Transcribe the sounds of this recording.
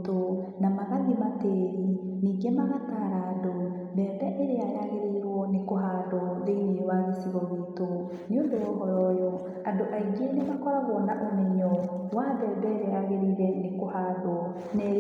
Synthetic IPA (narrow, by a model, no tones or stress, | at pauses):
to | namaɣaðimateɾi | niːɡemaɣataɾado | bɛːdɛʔeɾeajaɣeɾeɾwɔnekoɦaðɔðeiniewaðesiɣɔɣito | neondoɔɦɔɾɔjɔ | andoʔaiɡenemakɔɾaɣɔnaʔomɛɲɔwadɛːdɛɾeaɣeɾeɾɛnekohaðwɔ | nɛ